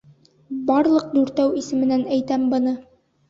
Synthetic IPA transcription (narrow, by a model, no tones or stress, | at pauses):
bɑɾlˠɤq̚d̪ʉɾt̪æwisɘ̆mɘ̆nænæjt̪æmbɤ̆nɤ